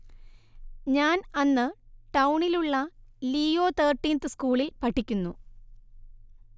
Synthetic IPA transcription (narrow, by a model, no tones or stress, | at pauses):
ɲaːnɐnːɨʈɐwuɳiluɭːɐliːoːt̪ʰeːrʈːiːnt̪ɨskuːɭilpɐʈʰːikʲːunːṵ